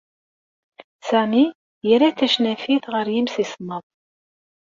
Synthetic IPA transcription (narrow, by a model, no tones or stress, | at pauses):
sæmi | jəɾæθæʃnæfiθʁəɾjimsisnəðˤ